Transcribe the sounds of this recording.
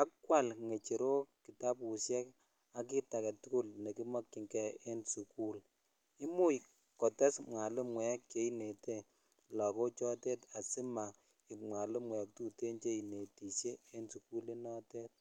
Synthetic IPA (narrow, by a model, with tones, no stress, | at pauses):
a˦kwa˦˨lŋe˨t͡ʃe˨ɾo˦ki˨ta˦pu˨sjɛ˦k | a˨k̬i˦ta˨kɛ˨tʊ˦kʊ˦lne˨ki˦mɔ˦kːi˨ŋkɛ˨e˦nsu˨ku˦l | i˦mu˦j | kɔ˨tɛ˦smwa˨lɨ˦mwɛ˨˦kt͡ʃe˨˦i˦ne˨te˦ | lɔ˨kɔ˦t͡ʃɔ˦te˦ta˨sɪ˦ma˨ | ɪ˨mwa˨lɪ˦mwɛ˨k̚tu˦te˦nt͡ʃe˦i˨ne˨ti˨sjeː˦nsu˨ku˦le˦nɔ˦tɛ˦t̚